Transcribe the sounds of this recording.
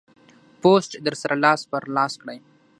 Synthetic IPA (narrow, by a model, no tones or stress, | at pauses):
posʈd̪əɾsaɾʔalɑːspəɾlɑːskɽaj